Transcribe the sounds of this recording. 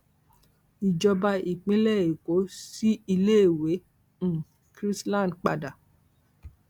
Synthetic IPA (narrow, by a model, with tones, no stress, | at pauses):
i˨d͡ʒɔ˧ba˧i˨k͡pĩ˦lɛ˦˨i˨ko˨˦si˦i˧le˦˨wẽ˨˦˨ | kɾi˦slã˦˨dk͡pa̰˧da˨